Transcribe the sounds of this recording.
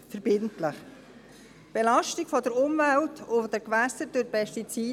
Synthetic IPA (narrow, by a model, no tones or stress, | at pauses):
fəɾb̥ɪntləχ | b̥elɑʃtiɡfɔd̪əɾʊmvæltʰʊd̪əɾkʋæsəɾd̥ɵɾpɛstit͡siː